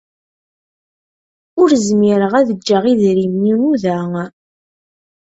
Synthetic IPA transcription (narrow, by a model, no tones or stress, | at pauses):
ʊɾzmiɾəʁæðəd͡ʒːəʁiðɾimjinuðæ